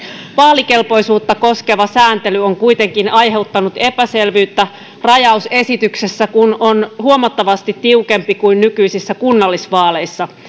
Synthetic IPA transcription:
ʋɑːlike̞lpo̞isuːt̪ːɑko̞ske̞ʋɑsæːnt̪e̞lyoŋkuit̪e̞ŋkinɑjɦe̞ut̪ːɑnut̪e̞pæse̞lʋyːt̪ːæ | rɑjɑuse̞sit̪yksesːækunonhuomɑt̪ːɑʋɑst̪it̪tːiuke̞mpikuinnykyisisːækunːɑlːisʋɑːle̞isːɑ

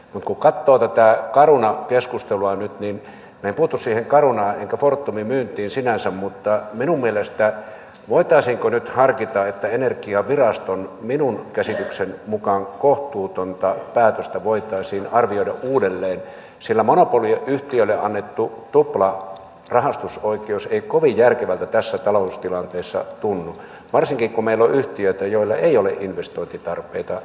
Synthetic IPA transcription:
mut̪kukɑt̪ːoːt̪æt̪ækɑrunɑkeskust̪eluɑnyt̪nin | mæempuhut̪ussiːheŋkɑrunɑːneŋkæfort̪ːumimyːnt̪ˑiːnsinænsæmmut̪ːɑminummielest̪æ | ʋoit̪ɑisiŋkonyt̪hɑrkit̪ɑet̪ːæenerkiɑʋirɑst̪onminunkæsit̪yksenmukɑŋkoht̪ˑuːt̪ont̪ɑpæːt̪øst̪æʋoˑit̪ˑɑˑisiːnɑrʋioˑidɑ̰ʔʔuːdelːeːn | silːæmonopolieʔʔyht̪iølːeʔɑnːet̪ːut̪uplɑ | rɑhɑst̪usoˑikˑeˑuseˑikoʋijjærkeʋælt̪æt̪æsːæt̪ɑloust̪ilɑnt̪eːsːɑ̰t̪unːu | ʋɑrsiŋkikkumeˑilːoʔyht̪iøˑit̪æjoˑilːɑ̰eˑioleʔʔinʋest̪oˑint̪it̪ɑrpˑeˑit̪ɑ

